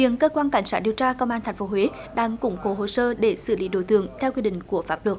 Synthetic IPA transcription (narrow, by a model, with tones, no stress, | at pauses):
vḭ˧˨ənkəː˧kwaː˧nka˧˩jŋsaː˦˥i˨əwt͡ɕaː˧kə˧wmʔaː˧t̪ʰŋ̟fo˨˦ɦwe˨˦ | ɗaː˧ŋkʊ̰˧˩ŋ͡mko˨˦ɦo˧˩səː˧ɗe˧˩sɨ˧˩li˨˦ɗo˧˨˩t̪ɨ̰˧˨əŋt̪ʰɛ˧wki˧ɗḭ̈˧˨ŋ̟ku˧˩əfaː˦˥p̚lɨ˨˩ək